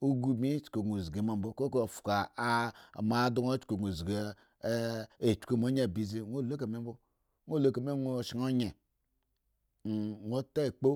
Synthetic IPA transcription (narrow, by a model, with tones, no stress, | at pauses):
u˦ɡu˦mi˦t͡ʃko˨ɡu˨zɡe˨ma˨m˦bo˦ko˦ko˦˨fu̥˨ka˨ | ma˨˦du˦ŋo˦t͡ʃko˨ɡo˨zɡe˨˦ | e˨t͡ʃu̥˨ko˦˨mo˨˦ɲ˦a˨bi˨zi˦ŋʷo˦˨lo˦ka˨me˦m˦bo˦ | ŋʷo˦lo˦ka˨me˦ŋʷo˨ʃi˨ŋo˦ɲe˨ | ŋʷo˦ta˦˨k͡po˦